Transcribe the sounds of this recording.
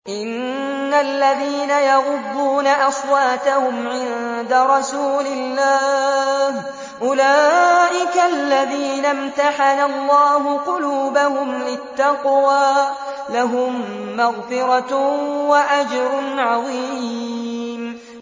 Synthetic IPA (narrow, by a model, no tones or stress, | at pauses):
ʔɪnː | alːaðiːnajɑɣʊd̪ːuːnaʔɑswaːt̪ahʊmʕɪnd̪aɾˤɑsuːlɪlːaːh | ʔʊlaːʔɪkalːaðiːnamt̪aħanalːɑːɦʊqʊluːbahʊmlɪt̪ːɑqwaː | laɦʊmː | aɣfɪɾˤɑwaʔad͡ʒɾˤʊnʕɑðˤi | m